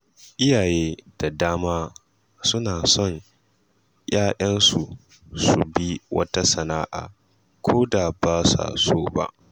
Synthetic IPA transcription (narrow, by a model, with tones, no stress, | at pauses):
ʔɪ˦jaː˨jeː˦d̥a˨daː˦maː˦ | sʊ˦naː˨sɔ˦˨ɲ | jaː˦ʔɐ˦nsu˨ | su˨bi˦wɐ̰˦ta˦sɐ˨naː˦ʔa̰ː˨ | kʷʰoː˦da˨baː˦sa̰˨soː˦ba̰˦ʔ